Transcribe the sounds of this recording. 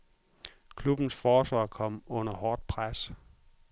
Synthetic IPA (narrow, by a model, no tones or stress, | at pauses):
kʰlub̥n̩sfɒːsʋɑ̈ːkʰɒ̽m̰ɔ̽nɐhɒːd̥̚pʰʁas